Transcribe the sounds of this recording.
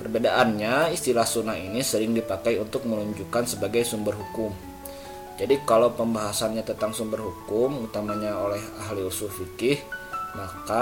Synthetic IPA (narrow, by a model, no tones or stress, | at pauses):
pərbedaʔanɲaist̪ilahsunainisəɾɪŋdipakajunt̪ʊk̚məluɲd͡ʒukansəbaɡajsumbərɦukʊm | d͡ʒadikalawpəmbaɦasanɲat̪ət̪aŋsumbərɦukʊmut̪amaɲaolɛɦaɦliusʊhfikɪhmaka